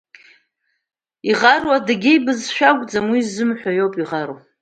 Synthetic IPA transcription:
iʁarwadaɡʲejbɨzʃᶣaɡʷʼd͡zamwizɨmħʷᶣajo̞wpʼiʁaɾo

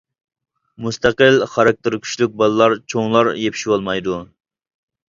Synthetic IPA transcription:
must̪æqəlχɑɾɑk̚t̪ɪɾkʲʰy̥ʃlyk̚ʲbɑlˠɨlˠɑɾt͡ʃʰoŋlˠɑɾjepʰi̥ʃwolˠmɑjd̪u

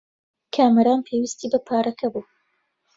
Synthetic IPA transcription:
kʰaːmɐɾaːnpʰeːwist̪ʰiːbɐpʰaːɾɐkʰɐbuː

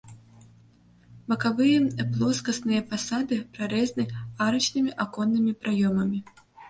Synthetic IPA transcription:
bɐkavɨjɐplˠɔskɐsnɨjɐpasad̪ɨpɾaɾɛznɨaɾɐt͡ʃnɨmʲiʔakɔnːɨmʲipɾajɔmɐmʲi

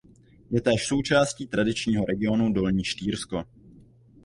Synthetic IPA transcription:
jɛt̪ɛːʃso̞wt͡ʃaːsciːt̪ɾadɪt͡ʃɲiːɦoɾʔɛɡɪo̞nudo̞lɲiːʃt̪iːɾsko

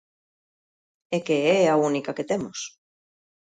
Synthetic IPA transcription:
ekeɛaunikaket̪emos

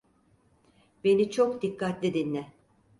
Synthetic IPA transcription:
be̞nit͡ʃʰokd̪ikːat̪lʲid̪inlɛ

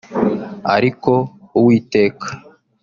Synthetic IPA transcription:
a̰ɾiko̞uwiːteːkḁ

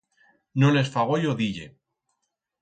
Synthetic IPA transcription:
nole̞sfaɣ̞ojoðiʎe

